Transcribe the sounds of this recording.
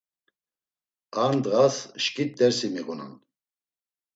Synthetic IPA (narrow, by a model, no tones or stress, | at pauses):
and̪ɣasʃkʼit̪̚d̪ɛɾsimiɣuna̰n